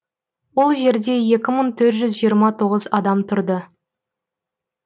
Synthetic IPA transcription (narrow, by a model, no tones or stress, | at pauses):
wo̞lˠʒe̞ɾd̪e̞je̞kʲɪməɴt̪ʰɵɾt̪ʒʏzʒijəɾmɑt̪ʰoʁəzɑd̪ɑmt̪ʰʊɾd̪ə